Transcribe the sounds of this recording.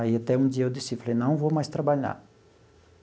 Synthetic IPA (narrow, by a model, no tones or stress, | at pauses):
aiat̪ɛũd͡ʒiɐewd̪isiflejnɐ̃w̃vowmajst̪ɾabaʎa̰ɾ